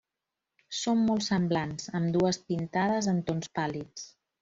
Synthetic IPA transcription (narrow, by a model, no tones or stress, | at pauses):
somːolˠsəmblanzəmd̪uəspint̪aðəzənt̪onspalit͡s